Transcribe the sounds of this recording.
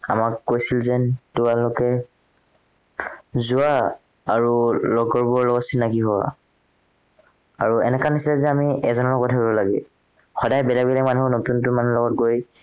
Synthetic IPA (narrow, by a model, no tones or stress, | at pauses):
a̰makːojsilzɛtʊalʊkɛ | zua | a̰ɹulɔɡɔɹbɔɹlɔɡɔtsinːakiɦɔwa̰ | aɹuɛnɛkanisilɛzɛamiɛzɔnɔɔɡɔtʰabɛbɔlaɡɛ | xɔdajbɛlabilamanuɦɔnotuntʊmanulɔɡɔt̚ɡoj